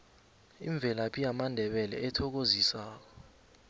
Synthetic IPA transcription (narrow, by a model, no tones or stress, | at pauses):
ḭɱb̪vʱɛlapʰʼijamandʱɛɓɛlɛ̰ɛtʰɔk̬ozisaːk̬ɔ